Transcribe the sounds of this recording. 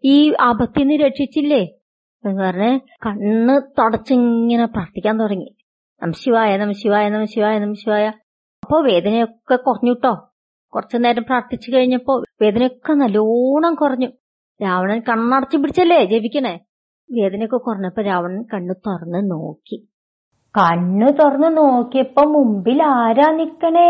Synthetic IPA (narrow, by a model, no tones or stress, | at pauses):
iːɐbɐt̪ːijenːɨɾeːʈʂit͡ɕːilːe | epɐrɐnːɨkɐɳːɨt̪ɐɽɐt͡ɕːɨŋːɐnepraːrt̪ikʲːaːnt̪orɐŋːi | nɐmɐɕjɐʋaːjanɐmɐsjɐʋaːjanɐmɐsjɐʋaːjɐnɐmɐɕjɐʋaːja | ɐpːo̞ːʋe̞ːd̪ɐnejokːekurɐɲːuʈːo̞ː | kurɐt͡ɕːɨnːeːɾɐmpraːrt̪it͡ɕːukɐɻiɲːɐpːo̞ːʋe̞ːd̪ɐnejokːenɐloːɳɐŋkurɐɲːu | ɾaːʋɐɳɐnkɐɳːaːɽɐt͡ɕːɨpːiɽit͡ɕːɐlːed͡ʑebikʲːɐɳe | ʋe̞ːðɐnejokːekurɐɲːɐpːoːɾaːʋɐɳɐnkɐɳːut̪orɐnːɨno̰ːkːi | kɐɳːut̪orɐnːɨnoːkːiɐpːoːmːumbilaːɾaːnikʲːɐɳe